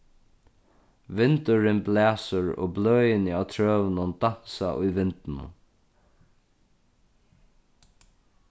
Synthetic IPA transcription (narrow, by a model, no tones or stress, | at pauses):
ʋɪnt̪ʊɾɪnblɛːsʊɾɔ̰ːblœːjɪnɪawt̪ʰɹœːvnʊnd̪an̥saʔʊjʋɪnt̪ɪnʊ̰